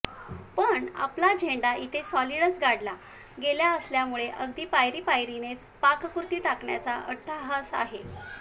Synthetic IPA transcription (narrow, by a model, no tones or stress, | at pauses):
pəɳa̰plad͡ʑʱeɳɖait̪ʰesɔliɽət͡sɡaɽla | ɡeljaəsljamuɭeʔəɡd̪iːpajɾiːpajɾinet͡s | pakkuɾt̪iːʈakɳja̰t͡saʔəʈʰːaɦasa̰ɦe